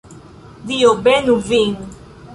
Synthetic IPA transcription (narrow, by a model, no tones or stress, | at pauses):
dijobɛnũviŋ